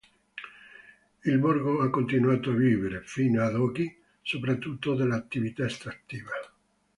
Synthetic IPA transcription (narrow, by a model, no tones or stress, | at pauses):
ilborɡoakːont̪inuaːt̪oaviːveɾefiːnoad̪ɔːki | sopɾat̪ːut̪ːod̪elːat̪ːivit̪aest̪ɾat̪ːiːva